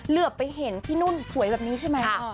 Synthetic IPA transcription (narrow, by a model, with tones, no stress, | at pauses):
lɯ˨˩ək̚ːa˧jɦe˩˦nt̪ʰiː˥˩nu˥˩nsu˨˩˦jbɛː˨˩niː˦˥t͡ɕʰa˥˩jma˦˥jkʰa˦˥˩